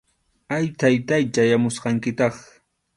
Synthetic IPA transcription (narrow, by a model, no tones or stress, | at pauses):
ajt̪ajt̪ajt͡ʃajamʊsqɑŋkɪt̪ɑχ